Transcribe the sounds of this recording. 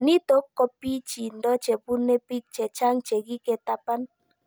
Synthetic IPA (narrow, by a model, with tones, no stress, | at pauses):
ni˦to˨˦kːɔ˦pːi˦t͡ʃi˨n̩˨dɔ˦t͡ʃe˨bu˦ne˦pi˦k̚t͡ʃɛ˨t͡ʃa˦ŋ̩˦t͡ʃe˨ɡi˦ke˨ta˦pa˦n